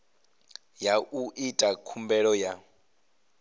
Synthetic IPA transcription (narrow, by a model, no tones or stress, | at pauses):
jaʔuʔitʼakʰumbɛɺɔja